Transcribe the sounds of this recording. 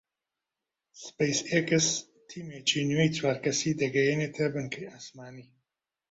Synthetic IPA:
spejsekɨs | t̪ʰiːmet͡ʃinjejt͡swaːɾkɐsid̪ɐɡɐjenet̪ʰɐbɨnkʰɐjaːsmaːniː

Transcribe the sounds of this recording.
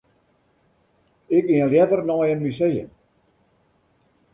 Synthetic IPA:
ɪkiəljɛdərnɔjənmysejə̰n

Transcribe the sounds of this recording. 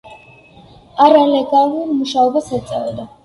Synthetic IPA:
aɾalɛɡaluɾmuʃaɔbasat̪sʼa̰vɛd̪a

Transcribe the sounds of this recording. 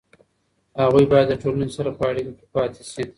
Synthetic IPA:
haɣujbɑjad̪ːəʈolanesaɾapəaɽikokʲe̥pɑt̪eʃi

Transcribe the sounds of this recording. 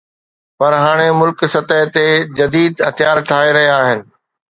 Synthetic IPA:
pɐɾɦaːɽ̃emʊlksɐt̪əɦt̪ed͡ʑɐd̪iːd̪ɦɐt̪ɪjaːɾʈʰaːeɾɐɦijaaːɦɪnɪ̆

